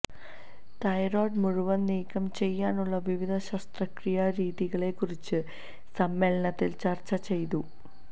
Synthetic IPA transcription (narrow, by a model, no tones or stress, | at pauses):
t̪ɐjɾoːɖmuɻuʋɐniːkːɐmt͡ɕe̞jːaːnuɭːɐʋiʋid̪ʱɐɕɐst̪rɐkrijɐɾiːðiɣɐɭe̞kːurit͡ɕːɨ | sɐmːe̞ːlɐɳɐt̪ːilt͡ɕɐrt͡ɕːɐt͡ɕe̞jt̪u